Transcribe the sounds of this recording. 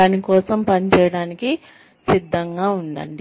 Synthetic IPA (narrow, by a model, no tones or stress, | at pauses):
aːnikɔːsɐmpɐnt͡ʃɛːjɐɽaːniki | sid̪ʱːɐŋɡaːund̪ɐ̰ɳɖi